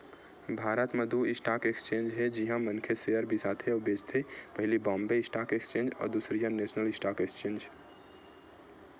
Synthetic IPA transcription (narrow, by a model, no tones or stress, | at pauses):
bʱaɾət̪med̪uɪsʈakekst͡ʃẽnd͡ʒɦed͡ʒiɦãmənkʰesejəɾbʱisat̪ʰeubed͡ʒt̪ʰipəɦɪlibɔ̃mbeɪsʈakekst͡ʃẽnd͡ʒɔ̰ːɾd̪usɾijãnesnəlɪsʈakekst͡ʃend͡ʒ